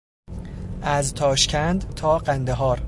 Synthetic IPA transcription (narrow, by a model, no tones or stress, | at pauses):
ʔæzt̪ʰɒːʃcʰænd̪t̪ʰɒːɢænd̪eɦɒːɾ